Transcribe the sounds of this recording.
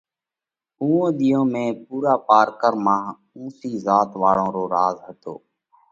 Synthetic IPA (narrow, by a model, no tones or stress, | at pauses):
ũːõːɗ̪iːõːmẽːpuːɾaːpaːɾkəɾmãːɦ | ũːsiːzaːt̪ʋaːɽõːɾoːɾaːzɦət̪o̰ː